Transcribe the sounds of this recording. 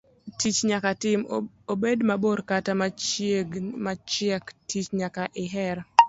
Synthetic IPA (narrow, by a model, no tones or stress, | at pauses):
tit͡ʃɲakatɪm | obedmaboɾkatamat͡ʃeɡmat͡ʃɛktʰit͡ʃɲakaʔɪɦɛɾ